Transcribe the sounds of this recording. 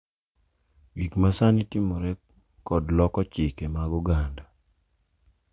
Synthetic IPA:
wikmasanitimoɾɛ | ɔdlɔkɔt͡ʃɪkemaɡuɡanda

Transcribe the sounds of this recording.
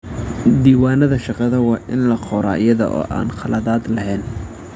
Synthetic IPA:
d̪iːwaːnɐðɐʃɑqɑðɐwɑːʔɪnlɐqʰɔɾa̰ːɪjɐðɐ̰ʔɔ̰ːʔa̰ːnqʰɑlɐðaːd̪lɐɦɛːn

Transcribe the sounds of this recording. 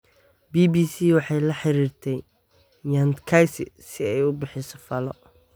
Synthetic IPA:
biːbiːsiːwɑħɑjlɐħɪɾiːrt̪ʰɛj | jant̪kʰajsɪ̰sɪɛjʊbɪħɪsɔ̥fɐlɔ

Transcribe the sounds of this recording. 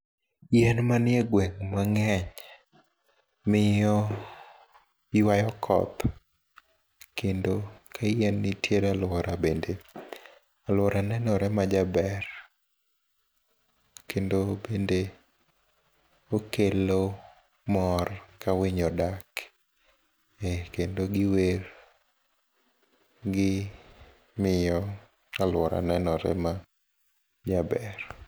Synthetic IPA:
jɛnmanjɛɡwɛŋmaŋɛɲ | mɪjɔ | jwajɔkʰɔ̰t̪ | kendokʰajɛnːitjeɾalwɔɾabende | alwɔɾʔanɛnɔɾɛmad͡ʒabɛr | kendobende | okelo | mɔrkawɪɲɔdak | ekendoɡɪweɾ | ɡɪ | mɪjɔ | alwɔɾa̰nɛnɔɾɛ̰ma | d͡ʒabɛr

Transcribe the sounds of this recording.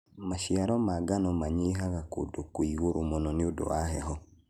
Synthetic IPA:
maʃiaɾɔmaɡanɔmaɲeɦaɣako̰dokoiɣoɾomɔnɔniodo̰waɦɛɦɔ

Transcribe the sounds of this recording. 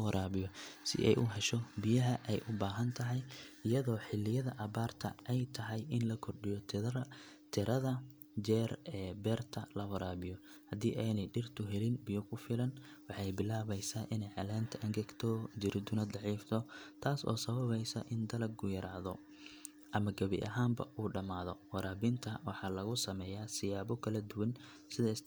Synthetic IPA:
wɐɾʔaːβɪjɔsɪ̰ʔɛ̰jʔʊɦɛʃɔbɪjɐɦɐʔɛjʔʊbaːɦɐnt̪ʰɐɦɛjɪjɐðɔːħɪlːɪjɐðɐʔɐβaːrt̪ʰɐ̰ʔɛjt̪ʰɐɦɛjɪnlɐkʰɔrɖɪjɔ | t̪ʰɪɾʔɐðɐ | d͡ʒɛːrɛːbɛːrt̪ʰɐlɐwɐɾʔaːβɪjɔ | hɐd̪iːʔɛːnɛjɖɪrt̪ʰʊɦɛlɪnbɪjɔkʰʊfɪlɐnwɑħɑjbɪlaːβɛjsaːʔɪnɛjʕɑlaːnt̪ʰɐʔɐŋɡɛɡt̪ʰɔd͡ʒɪɾɪd̪ʊnɐd̪ɑʕiːft̪ʰɔt̪ʰaːsɔ̰ːsɐβɐβɛjsɐ̰ʔɪnd̪ɐlɐɡ̚ɡʊjɐɾaːðɔ | ʔɐmɐɡɐβɪ̰ʔɐ̰ɦaːmbɐ̰ʔuːɖɐmaːðɔwɐɾaːbɪnt̪ʰɐwɑħɑːlɐɣʊsɐmɛːjaːsɪjaːβɔkʰɐlɐd̪ʊwɐn | sɪðɛs

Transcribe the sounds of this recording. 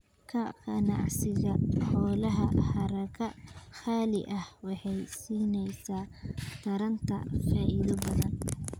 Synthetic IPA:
kʰɐqɑnɑ̰ʕsɪɣɐħɔːlɐɦɐhɐɾɐkʰɐxaːlɪʔɐhwɑħɑjsiːnɛjsaːt̪ʰɐɾɐnt̪ʰɐ̰faːʔɪðɐbɐðɐn

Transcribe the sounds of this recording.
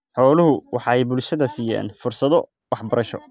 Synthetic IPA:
ħɔːlʊɦʊwɑħɑːɛjbʊlʃɐðɐsiːja̰ːnfʊrsɐðɔ | wɑħbɐɾɐʃɔ̰

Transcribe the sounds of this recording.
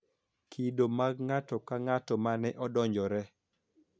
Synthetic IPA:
kʰidomaɡŋatɔkaŋatɔmanɛʔɔdɔɲd͡ʒɔɾɛ

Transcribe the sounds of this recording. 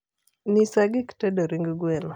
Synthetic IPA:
nisaɡiktɛdoɾiŋɡɡwen

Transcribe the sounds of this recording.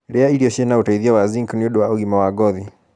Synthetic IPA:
ɾɛaiɾiɔʃɛnaotaiðiawaziŋkuniodowaɔɣimawaɡɔði

